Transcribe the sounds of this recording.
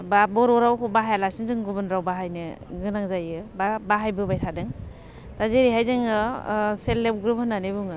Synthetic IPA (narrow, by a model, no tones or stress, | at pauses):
babɔɾɔɾawkʰubaɦajalasinzɯŋɡubɯnɾawbaɦajnɯɡɯnaŋzajɯbabaɦajbɯbajtʰadɯŋ | tazeɾiɦajzɯŋɯselːep̚ɡɾuphɯnanibuŋɯ